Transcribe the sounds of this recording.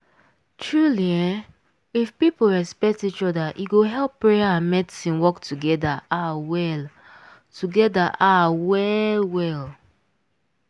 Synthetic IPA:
tɹuliãn | ifpipoɹɛspɛk̚tit͡ʃɔdaʔiɡoɦɛlˠpːɹejaãnmɛdisĩnwɔktʰuɡɛdaawɛl | tʰuɡɛdaʔawɛlwɛl

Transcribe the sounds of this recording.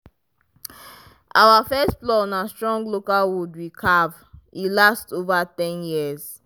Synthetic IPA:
ʔawafɛstplɔnãstɹɔ̃ŋɡlokalwudwikʰav | ilastovatɛ̃njiəz

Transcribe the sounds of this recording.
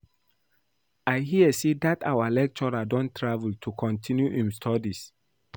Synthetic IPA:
ajɦiəsedatawalɛk̚t͡ʃɔɹadɔ̃ntɹavəltʰukʰɔ̃ntʰĩnjuʔĩmstʰɔdis

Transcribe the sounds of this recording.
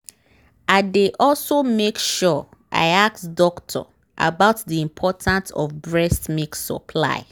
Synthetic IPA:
aɪdeʔɔlsomekʃɔʔa̰ɪak̚tdɔktʰɔ̰ | ʔa̰baʊtðiĩmpʰɔtʰãnsɔ̰vbɹɛstmiksɔ̰pʰla̰ɪ

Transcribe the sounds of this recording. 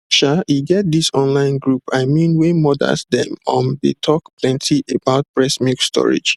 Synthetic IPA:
ʃaiɡɛt̚disɔ̃nlãɪ̃nɡɹupaɪmĩnwemɔda̰sdɛ̰̃mɔ̃ndetʰɔkpʰlɛ̃ntʰiʔebaʊt̚pɹɛsmikstʰɔ̰ɹḭd͡ʒ

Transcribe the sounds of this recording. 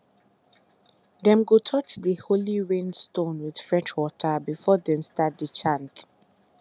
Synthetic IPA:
dɛ̃mɡotʰɔt͡ʃðəholiɹẽnstõnwɪð̥fɹɛʃwɔtʰəbifɔðɛ̃mstat̚dət͡ʃʰãnt

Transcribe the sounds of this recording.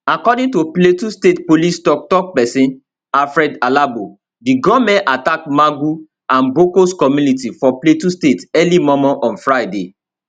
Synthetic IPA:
akɔdĩntopletustetpolistɔk̚tɔk̚pɛsĩn | afɹɛdalabo | diɡɔmɛ̃natakmaɡu | ãnbokoskɔmjunitifɔpletustetɛlimɔmɔʔɔ̃nfɹajde

